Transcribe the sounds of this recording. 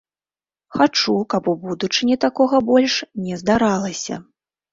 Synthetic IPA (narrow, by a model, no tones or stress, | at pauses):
xat͡ʂukapubud̪ut͡ʂɨnʲɛt̪akɔɣɐbɔlʲʂnʲɛzd̪aɾalˠɐsʲɐ̰